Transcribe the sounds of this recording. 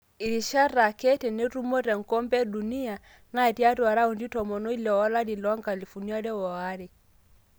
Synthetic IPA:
i˨ɾi˨ʃa˦ra˨kɛ˦tɛ˨ne˦ɾu˦mɔ˦ɾɛ˨ŋ˨kɔ˦mbɛ˦ɗu˨ni˦a˨ | na˦˨ti˦a˦ɾa˨ɾa˦u˨ndi˦tɔ˨mɔ˨nɔ˦i˦lɛ˨wa˦la˦di˨lɔ˦ŋɡa˨li˨fu˨ni˦a˦ɾɛ˦wɔ˨a˦ɾe˨

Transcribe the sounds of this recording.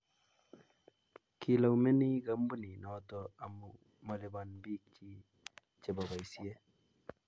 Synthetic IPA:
ki˨la˨wme˦ni˦ɡa˨˦mbu˦ni˨nɔ˨t̪ɔ˧a˨mu˨ | mɔ˨li˨ba˨nbi˦k̚t͡ʃi˦ | t͡ʃe˨ba˨ba˨jsi˦e˦

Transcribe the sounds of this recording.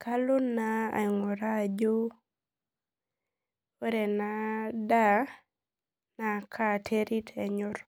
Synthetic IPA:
ka˦lʊ˦na˦a̰˨ɪ˨ŋɔ˨ɾa˦˨d͡ʒo˦ | e˦ɾe˨na˦da˦ | na˨kʰa˦˨tʰe˦ɾi˦tʰɛ˨ɲʊ˦r

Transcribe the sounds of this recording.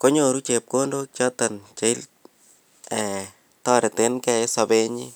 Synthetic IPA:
ko˦ɲoɾu˦t͡ʃe˨p̚ko˦ndo˦k̚t͡ʃa˦ta˨nt͡ʃa˨˦i˦l | ɛ˨ | tɔ˦ɾɪ˨te˦nkɛ˦sa˧be˦ɲḭ˦

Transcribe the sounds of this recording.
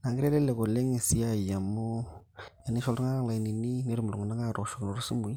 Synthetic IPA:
na˨ŋɡi˦ɾe˦le˦le˨ko˨le˦ŋe˨si˦a˦˨ja˨mo˦ | a˨ni˦ʃo˨lɾu˦ŋa˦la˨i˨ni˨ni˦ne˦ɾi˦m˨lo˨ŋɡna˦ŋɡa˦˨ɾo˨ʃo˨kno˨ɾsu˦mu˨i˦

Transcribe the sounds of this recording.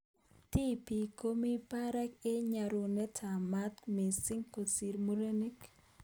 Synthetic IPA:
ti˦pi˨ko˦mi˦pa˦ɾa˦ke˦ɲa˨ɾo˨nɛ˦tʰa˨ma˦t̪me˨si˦ŋko˨si˨ɾmo˦ɾe˦ni˦k

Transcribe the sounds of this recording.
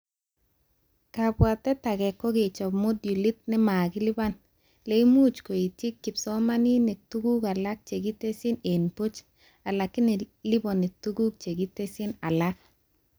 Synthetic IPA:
ka˨bwa˨tːɛ˦ta˨ɡɛ˨kːɔ˦ɡe˨t͡ʃɔ˨bmo˦dju˨li˦t̚nɪ˦ma˨ɡi˦li˦ba˦n | le˨i˦mu˦t͡ʃko˨i˨ti˦kːɪ˨psɔ˦ma˦ni˦ne˨tu˦ɡu˦ka˨la˦k̚t͡ʃe˨ɡi˦te˦si˦ne˨npu˦t͡ʃ | a˨la˨kːɪ˦ni˨li˦bɔ˨ni˨tu˦ɡu˦k̚t͡ʃe˨ɡi˦te˦si˦na˨la˦k̚

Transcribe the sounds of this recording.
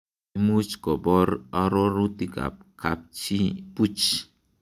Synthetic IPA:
mu˦t͡ʃkɔ˨bɔ˦ɾɔ˦ɾɔ˦ɾu˦ti˦ka̰˨p̚kʰa̰˨p̚t͡ʃi˦pu˦t͡ʃ

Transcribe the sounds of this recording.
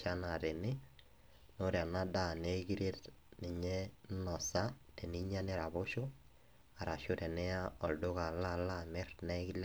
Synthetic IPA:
a˦na˨tɪ˨nɪ˦ | no˦ɾe˨a˨na˦da˦˨ne˦ɡi˦ɾe˦t | nɪ˨ɲɛ˦nɔ˨sa˦te˨ni˦ɲa˦nɪ˦ɾa˨βʊ˦ʃʊ˦ | a˨ɾa˨ʃʊ˦tɛ˨nɛ˦a˦ɔ˨ldʊ˦ka˨la˦˨la˦mɛ˦rnɛ˦ki˦l

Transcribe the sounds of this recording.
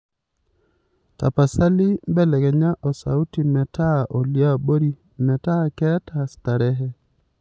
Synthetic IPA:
ta̰˨pa˨sa˦li˦mbɛ˦lɛ˨ɡɛ˨ɲa˦ʔɔ˨sa̰˨u˦ti˨mɛ˨ta˦ʔo˨lja˦bo˦ɾi˦ | mɛ˨ta˦kɛ˦ta˨sta˨ɾɛ˦ɦɛ˦

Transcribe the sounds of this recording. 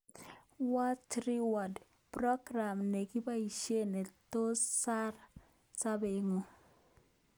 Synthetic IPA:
wa˦tɾi˦wa˨d | prɔ˦ɡɾa˨mne˨ɡi˦ba˦i˨ʃe˦ne˨t̪o˦sa˦r | sa˦be˨ŋo˨

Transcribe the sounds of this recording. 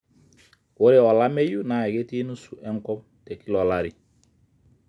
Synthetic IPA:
wo˦ɾɛ˦˨ɔ˨la˦me˦ju˦na˨ɛ˨ɡe˦ti˦nu˦su˨ʔɛ˦ŋkɔ˦m | tɛ˨ki˦lɔ˨la˦ɾi˨

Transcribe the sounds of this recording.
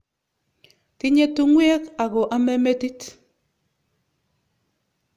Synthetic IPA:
ti˦ɲe˦tu˦ŋwɛ˦ka˨ɣɔ˨ʔa˦mɛ˦me˦ti˦t

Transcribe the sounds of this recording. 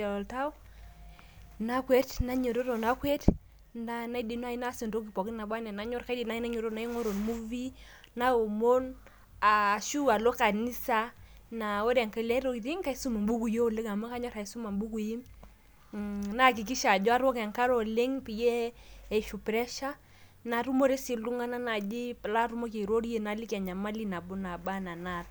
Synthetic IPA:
ɔ˨lta˦w | na˦kwe˦tna˦ɲo˨ɾo˦ɾo˨na˦kwe˦t | na˦na˦i˦di˨n˦a˦i˦na˦si˨ndo˦ki˨pɔ˨ki˦na˨bwa˦nɛ˨na˨˦ɲɔ˦rka˦jdi˨na˦i˦na˦ɲo˨ɾo˦na˦i˦ŋo˦ɾo˨nmu˦vi˦ | na˦o˨mo˦n | a˨ʃu˦a˨lo˦ka˨ni˦sa˦ | na˨o˦ɾa˨ŋka˨la˦ɾo˦i˨ɾi˦ŋ˦ka˦i˦su˦ma˨mbu˦ku˦˨jo˦˨le˦ka˨ma˦ka˦ɲɔ˦ɾa˨i˦su˦ma˨mbu˦ku˨ji˦m | na˦k̬i˨k̬i˦ʃa˨d͡ʒɔ˦a˦ɾwɔ˦ka˨ŋka˦ɾo˨le˦ŋpi˨jeː˦˨ʃu˨pɾɛ˦ʃa˦ | na˨ɾu˦mo˦ɾe˦si˨lu˦ŋa˦na˦na˨d͡ʒi˦pla˦ɾu˦mo˦k̬e˨ɾo˦ɾe˦na˨li˦ka˨ɲa˨ma˦li˦na˨bu˦na˨ba˦na˨na˦˨t

